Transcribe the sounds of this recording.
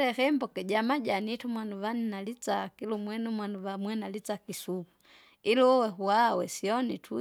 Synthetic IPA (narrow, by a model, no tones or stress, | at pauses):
ɾɛfɛmbɔkɛɟamaɟanitumwanuvaninalit͡sakilumwɛnumwanuvamwɛnalit͡sakisuku̥ | iluwɛɦuawɛsiɔnitʰu